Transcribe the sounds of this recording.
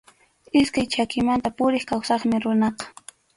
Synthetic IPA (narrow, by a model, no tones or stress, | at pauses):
ɪskajt͡ʃakɪmant̪apʊɾɪχkawsɑχmɪɾʊnɑqɑ̥